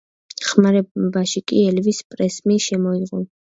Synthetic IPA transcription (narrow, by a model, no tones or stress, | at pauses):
χmaɾɛbaʃikʼiɛlvispʼɾɛsmiʃɛmɔiʁɔ